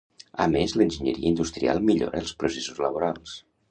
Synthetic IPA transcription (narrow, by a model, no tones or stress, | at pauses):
ə̰mezlənʲʒəɲə̰ɾiəind̪ust̪ɾia̰lˠmiʎo̰ɾəlˠspɾusesuzləβ̞oɾalˠs